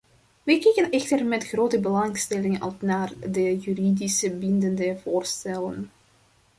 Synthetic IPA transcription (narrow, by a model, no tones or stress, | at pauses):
ʋɛjkɛjkənɛxtərmɛtxroːtəbəlɑŋstɛlɪŋɑ̰lˠsnaːrdəjyridisəbɪndəndəvoːrstɛlə̰n